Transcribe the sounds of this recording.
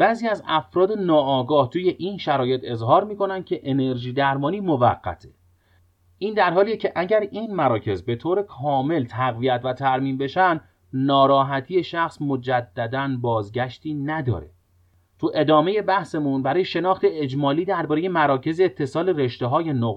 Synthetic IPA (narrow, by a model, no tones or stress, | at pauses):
b̥æːziːæzæfɾɒːd̪e̞nɒːɡɒːht̪ʰuːje̞ʔiːnʃæɾɒːje̞t̪ʰe̞zɦɒːɾmiːko̞nænd̪̥̚cʰe̞ʔene̞ɾʒiːd̪æɾmɒːniːmo̞væɢːæ̰t̪ʰe̥ | ʔiːnd̪æɾɦɒːliːecʰeʔæɟæɾiːnmæɾɒːcʰe̞zbe̞t̪ʰoːɾe̞kʰɒːme̞lt̪ʰæɣvijæt̪ʰvæt̪ʰæɾmiːmbe̞ʃænd̪ | nɒːɾɒːɦæt̪ʰiːje̞ʃæxsmo̞d͡ʒæd̪ːæd̪ænbɒːzɟæʃt̪ʰiːnæd̪ɒ̰ːɾe̞̰ | t̪ʰuʔe̞d̪ɒːme̞je̞bæhsemunbæɾɒːjeʃe̞nɒːxt̪e̞ed͡ʒmɒːliːd̪æɾbɒːɾe̞je̞mæɾɒːcʰe̞zeːt̪ʰːe̞sɒːle̞ɾe̞ʃt̪eɦɒːje̞no